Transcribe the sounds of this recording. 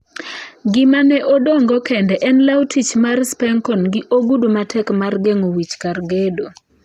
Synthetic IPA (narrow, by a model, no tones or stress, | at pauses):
ɡɪmanɛʔɔdɔŋɡɔkɛndɛʔɛnlawtʰit͡ʃmarspɛŋkɔnɡɪʔoɡudumatʰɛkmarɡeŋowit͡ʃkarɡedo